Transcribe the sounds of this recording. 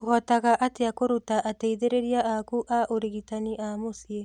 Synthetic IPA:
oɣɔtaɣaʔateakoɾutaʔateiðeɾeɾiaʔakuʔaʔoɾiɣitaniʔamosie

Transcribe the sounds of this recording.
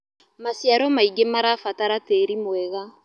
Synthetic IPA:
masjaɾɔmaiɡemaɾaːfataɾateɾimwɛɣa

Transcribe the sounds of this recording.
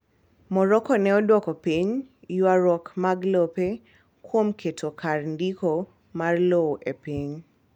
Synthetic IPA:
mɔɾɔkɔnɛɔdwɔkɔpiɲjwaɾɔkmaɡlope | kwomkʰetʰokʰarndiko | marloʔepiɲ

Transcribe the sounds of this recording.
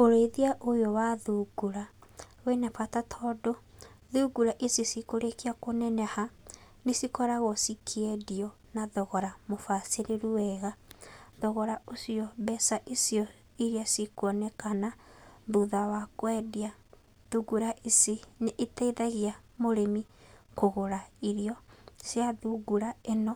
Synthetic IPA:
oɾeiðiaʔojowaðuɡuɾawenapatatʰɔdoðuɡuɾaʔesiesikoɾekiakonɛnɛha | nesikɔɾaɣɔsikʰiɛdiɔ | naðɔɣɔɾamofaseɾeɾuwɛɣaðɔɣɔɾaosiɔβɛsaʔesjɔ | iɾiasikwɔnɛkanabuðawakwɛdia | ðuɡuɾaʔesenːtɛðaɣia | moɾemikoɣoɾaiɾiɔsjaðuɡuɾaenɔ

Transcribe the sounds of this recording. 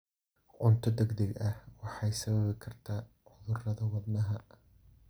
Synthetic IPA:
ʕʊnt̪ʰɔd̪ɛɡd̪ɐɡʔɐhwɑħɑjsɐβɐβɪkʰɐrt̪ʰaː | ʕʊðʊrɐðɐwɑd̪nɐɦɐ

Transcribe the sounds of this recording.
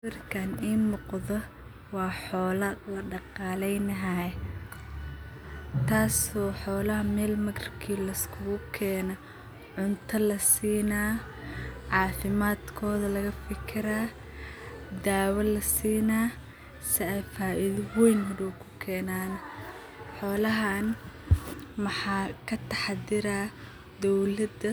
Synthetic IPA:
ɪrkʰaniːnʊqðɔ | wɑːħɔːlɐlɐɖɑqɑːlɛjnɐɦaɛ | t̪ʰaːsɔːħɔːlɐɦɐmɛːlmɐɡrɪ̥kʰiːlɐskʰʊɣʊkʰɛːnɐ | ʕʊnt̪ʰɐlɐsiːnaː | ʕɑːfɪmaːd̪kʰɔːðɐlɐɣɐfɪkʰɪɾaː | d̪aːwɐlɐsiːnaː | sɪɛjfaːʔɪðwɛjnɦɔɾuːkʰʊ̥kʰɛːnaːn | ħɔːlɐɦaːn | mɑħɑːkʰɐt̪ʰɑħɑd̪ɪɾaː | d̪ɔwlɐd̪ɐ

